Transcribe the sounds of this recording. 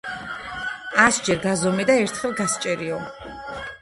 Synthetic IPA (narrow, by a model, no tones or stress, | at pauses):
asd͡ʒɛɾɡazɔmɛd̪aɛɾt̪ʰχɛlˠɡast͡ʃʼɛɾiɔ